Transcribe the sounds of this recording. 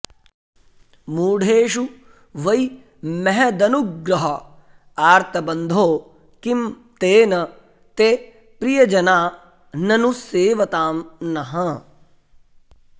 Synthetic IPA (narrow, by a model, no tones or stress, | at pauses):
muːɽ̤ʱeːʃu | ʋɐj | mɛɦɛd̪ɐnuɡɾɐɦɐ | aːɾt̪ʰɐbɐnd̪ʱoː | kim | t̪eːnɐ | t̪e | pɾijɐd͡ʒɐnaː | nɐnuseːʋɐt̪aːmnɐɦɐ̃